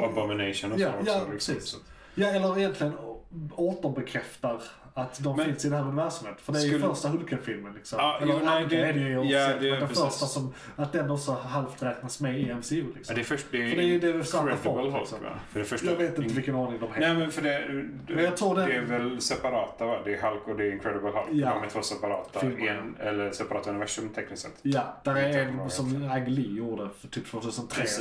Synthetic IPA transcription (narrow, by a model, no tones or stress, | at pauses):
əbɔmɪneɪʃɔnɔjɑjɑsiːss | jɑːɛlːəɾɪjɛnt̪lɪɡənoːt̪ɔnbɛkʰɾɛft̪aɾ | at̪d̪ɔmɪnsɪd̪ɛnɦæːɾɵnɪvæɾʂɔmheːt̪fœd̪ɛfœɾstaɦɵlkʰɛnfɪlmənlɪksɔmɛlːəaɛɛd̪əɔɛɛd̪ɛfœɾstasɔm | at̪̚d̪ɛnːɔksɔɦalft̪ɾɛːknasmɛɪɛmsɪʉːlɪksɔd̪ɛfœʂd̪ɛədɛd̪ɛvɛsaafɔlsɔm̰fœdɛfœʂaɡveːt̪ɪnəvɪlkːənɑːnɪŋd̪ɔmhɛnɛmɛnfœɖɛ | mɛjɑt̪ʰɾuːɾdɛɛɛvɛlsɛpaɾɑːt̪abad̪ɛɛɦalkɔd̪ɛɪŋkʰɾɛd̪əbəlha̰lkjamɛt̪ʰvoːsɛpaɾɑ̰ːt̪afɪlɛnɛlːəɾsɛpaɾɑːt̪ʉnɪvæʂɵmt̪ʰɛknɪsɛ̰t̪jad̪̥æɾɛɛnsɔmaɡliːjuːɾɖəfœʈ̪ʰyːp̚t̪voːt̪ʰʉ̟ːsənt̪ʰɾeː